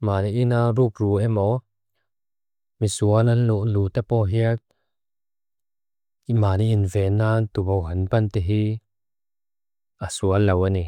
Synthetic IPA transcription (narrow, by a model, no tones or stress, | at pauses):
maːniʔinaruk̚ruɛmɔ | misuɐlanluʔluːt̪apɔɦiət̚ | imaːniʔːnvɛːnːat̪ubowɦɐnpɐnt̪ɛɦi | asuɐlːɐwani